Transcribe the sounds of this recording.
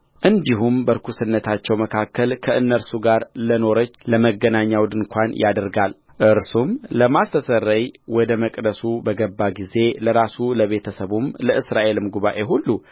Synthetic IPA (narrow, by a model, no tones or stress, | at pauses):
ʔɨnd̪iɦumbəɾkʰusɨnːət̪ʰat͡ʃːɛwməkʰakːəlkʰəʔɨnːəɾsuɡaɾləno̞ɾət͡ʃːləməɡənaɲːawd̪ɨnkʷʰanjʔad̪ɾɡal | ʔɨɾsumləmast̪ʰəsərːəjwɔd̪əməkʼd̪əsubəɡəbːaɡize̞ləɾasuləβe̞t̪ʰəsəβumləʔɨsɾaʔe̞lɨmɡuβaʔeɦulːu